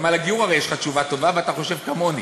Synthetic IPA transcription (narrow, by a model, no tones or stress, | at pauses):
malaɡijuʁavejeʃχat͡ʃuvat̪o̞vaveat̪aχo̞ʃevkamo̞ni